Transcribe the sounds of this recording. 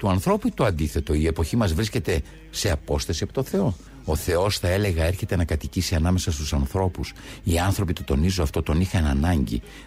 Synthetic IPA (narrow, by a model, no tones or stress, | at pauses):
t̪uɐnθɾo̞put̪uɐnd̪iθe̞t̪o̞ie̞po̞çimɐzvɾisce̞t̪e̞ | se̞ɐpo̞st̪ɐsiɐpit̪o̞θe̞o̞ | oθe̞o̞sθɐe̞le̞ɣɐe̞ɾçe̞t̪e̞nɐkɐt̪icisiɐnɐme̞sɐst̪usɐnθɾo̞pusiɐnθɾo̞pit̪o̞t̪o̞nizoɐft̪o̞t̪o̞nixɐnɐnɐɲɟḭ